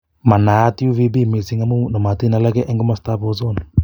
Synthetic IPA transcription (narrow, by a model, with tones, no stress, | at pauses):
ma˨na˨˦ti˦u˦vi˦bi˦mi˨si˦ŋa˦mu˦nɔ˨ma˨ti˦na˨la˦kɛ˦ʔɛ˦ŋɡɔ˦ma˦sta˦pɔ˦s̬ɔ˦na˨